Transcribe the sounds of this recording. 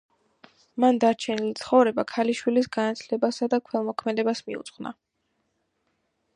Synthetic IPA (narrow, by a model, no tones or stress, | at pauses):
mand̪aɾt͡ʃʰɛnilit̪sʰχɔvɾɛbakʰaliʃwilisɡanat̪ʰlɛbasad̪akʰwɛlˠmɔkʰmɛd̪ɛbasmiṵt̪sʼχna̰